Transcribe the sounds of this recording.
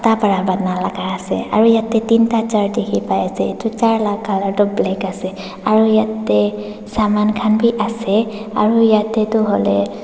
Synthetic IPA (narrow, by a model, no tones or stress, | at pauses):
tapaɹabatnalaɡaasɛ̰a̰ɹujatɛtintat͡ʃaɹdekʰipajasɛetut͡ʃaɹlak̚ɡʱalaɹtʊblɛkasɛ | aɹujatːɛ | samankʰanbiʔasɛa̰ɹujatɛtʊɦɔlɛ